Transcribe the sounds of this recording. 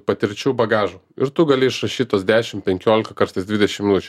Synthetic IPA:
pɐt̪ʲɪɾʲt͡ʃʲɛʊbɐɡɑːʒoːɪɾt̪ʊɡɐlʲɪɪʃɾɐʃʲiːt̪oːsd̪ʲæːʃʲɪmpʲɛŋʲkʲoːlʲɪkɐkɐɾsɐɪsd̪ʋʲɪd̪ʲɛʃʲɪmʲɪnʊt͡ʃʲɛ

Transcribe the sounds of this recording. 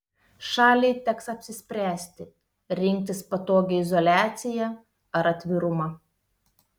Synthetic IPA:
ʃɑːlʲɛɪt̪ʲɛksɐpʲsʲɪsʲpʲɾʲæːsʲt̪ʲɪ | ɾʲɪŋʲk̚ʲt̪ʲɪspɐt̪oːɡʲɛɪzɔlʲæːt̪sʲɪjɛ | ɐɾɐt̪ʲʋʲɪɾʊmɐ

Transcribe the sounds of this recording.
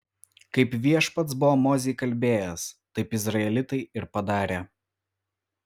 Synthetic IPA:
kɐɪpʋʲiɛʃpɐt̪sbʊʋoːmoːzʲɛːkɐlʲbʲeːjɛst̪ɐɪpɪzɾɐɛlʲɪt̪ɐɪɪɾpɐd̪ɑːɾʲeː

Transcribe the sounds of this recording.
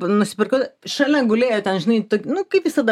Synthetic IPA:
nʊsʲɪ̥pʲɪrkɐʊʃɐlʲɛɡʊlʲeːjot̪ʲɛnʒʲɪnɐɪt̪oːkʲɪnʊkɐɪpʋʲɪsɐd̪ɐ

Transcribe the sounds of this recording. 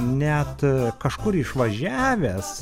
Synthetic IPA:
nʲɛt̪kɐʃkʊɾɪʃʋɐʒʲæːʋʲɛs

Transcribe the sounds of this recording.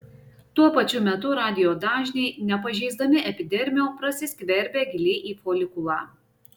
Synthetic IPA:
t̪uɔpɐt͡ʃʲʊmʲɛt̪ʊɾɑːd̪ʲɪjoːd̪ɑːʒʲnʲɛɪnʲɛpɐʒʲɛɪzd̪ɐmʲɪʔɛpʲɪd̪ʲɛɾʲmʲɪjoːpɾɐsʲɪsʲkʲʋʲɛɾʲbʲeːɡʲɪlʲeːʔiːfoːlʲɪkʊlɑː

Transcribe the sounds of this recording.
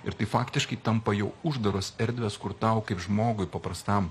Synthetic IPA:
ɪɾt̪ɐɪfɑːkt̪ʲɪʃkɐɪt̪ɐmpɐjɛʊʊʒd̪ɐɾoːsɛɾʲd̪ʲʋʲɛskʊɾt̪ɐʊkɐɪpʒmoːɡʊɪpɐpɾɐst̪ɐm

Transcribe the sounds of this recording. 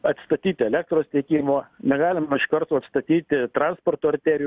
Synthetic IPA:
ɐt̪ʲst̪ɐt̪ʲiːt̪ʲɪɛlʲæːk̚t̪ɾoːst̪ʲɛɪkʲiːmoːnʲɛɡɑːlʲɪmɐɪʃkɐɾt̪uːɐt̪st̪ɐt̪ʲiːt̪ʲɪt̪ɾɑnspoːrt̪oːɐrʲt̪ʲæːɾʲɪj

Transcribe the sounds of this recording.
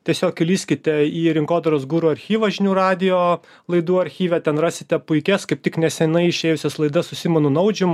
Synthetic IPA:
t̪ʲiɛsʲoːkʲɪlʲiːsʲkʲɪt̪ʲɛiːɾʲɪŋkoːd̪ɐɾoːsɡuːɾuːɐɾʲxʲiːʋɐʒʲnʲuːɾɑːd̪ʲɪjoː | lˠɐɪd̪uːɐɾʲxʲiːʋʲɛt̪ʲɛnrɑːsʲɪt̪ʲɛpʊɪkʲɛskɐɪp̚t̪ʲɪknʲɛsʲɛnɐɪɪʃʲeːjʊsʲɛslˠɐɪd̪ɐssʊsʲɪmʲɐnʊnɐʊd͡ʒʲɪm

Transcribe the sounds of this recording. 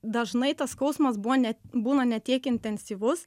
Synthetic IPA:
d̪ɐʒnɐɪt̪ɐskɐʊsmɐsbunʲɛbuːnɐnʲɛt̪ʲiɛkɪnʲt̪ʲɛnʲsʲiːʋʊs

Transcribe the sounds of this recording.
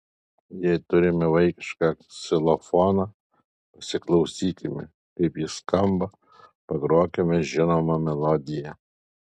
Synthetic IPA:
jɪjt̪ʊɾʲɪmʲɪʋɐɪkʲɪ̥ʃkɑsʲɪlˠɔfɔːnɐ | pɐsʲɪklˠɐʊsʲiːt̪ʲɪmʲɪ̰ | kɐɪpjiskɐmbɐ | pɐɡɾoːkʲemʲɛʒʲɪnomɐmʲɛlˠɔd̪ʲɪjɛ

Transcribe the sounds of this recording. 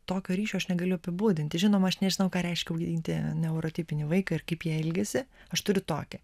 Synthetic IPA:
t̪oːkʲoːɾʲiːʃʲoːɐʃnʲɛɡɐlʲʊɐpʲɪbuːd̪ʲɪnʲt̪ʲɪʒʲɪnoːmɐɐʃnʲɛʒʲɪnɐʊkɑːɾʲɛɪʃʲkʲɛʊɡʲɪd̪ʲiːnʲt̪ʲɪnʲɛʊɾoːt̪ʲiːpʲɪnʲɪʋɐɪkɐɪrkɐɪpjiɛɪlʲɡʲɛsʲɪɐʃt̪ʊɾʲʊt̪o̰ːkʲɛ

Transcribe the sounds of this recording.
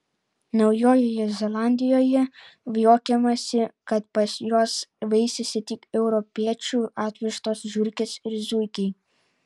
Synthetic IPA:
nɒʊjoːjoːjɛzʲɛlˠɑˑnʲd̪ʲɪjoːjɛʋjoːkʲɛmɐsʲɪkɐt̪pɐsjoːsʋɐɪsʲɛsʲɪt̪ʲɪkɛʊɾɔpʲiɛt͡ʃʲuːɑːt̪ʲʋʲɪʃt̪oːsʒʲʊɾʲkʲɪsɪɾzʲʊɪkʲɛɪ

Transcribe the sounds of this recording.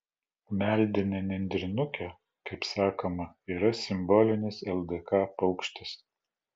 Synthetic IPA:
mʲælʲd̪ʲɪnʲɛnʲɛnʲd̪ʲɾʲɪnʊkʲɛ | kɐɪpsɑːkomɐiːɾɐsʲɪmbɔːlʲɪnʲɪsɛlˠd̪ɛkɑːpɐʊkʃʲt̪ʲɪs

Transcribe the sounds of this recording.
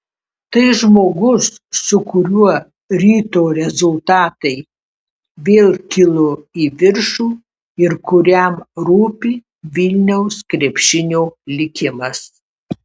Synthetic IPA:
t̪ɐɪʒmoːɡʊsː | ʊkʊɾʲuɔ | ɾʲiːt̪oːɾʲɛzʊlˠt̪ɑːt̪ɐɪ | ʋʲeːlˠkʲɪlˠʊiːʋʲɪɾʃuː | ɪɾkʊɾʲɛmɾuːpʲi | ʋʲɪlʲnʲɛʊskɾʲɛpʲʃʲɪnʲoːlʲɪkʲɪmɐs

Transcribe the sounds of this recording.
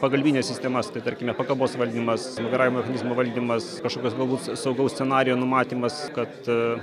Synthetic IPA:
pɐɡɐlʲbʲiːnʲeːsʲɪsʲt̪ʲɛmɐst̪ɐɪt̪ɐɾʲkʲɪmʲɛpɐkɐboːsʋɐlʲd̪ʲimɐsmʲɐɡʲɐɾɑːʋʲɪmomɛxɐnʲɪzmoːʋɐlʲd̪ʲiːmɐskɐʃkoːkʲoːsɡɐlˠbuːt̪sɐʊɡɐʊsʲt͡sʲɛnɑːɾʲɪjoːnʊmɑːt̪ʲiːmɐskɐt̪

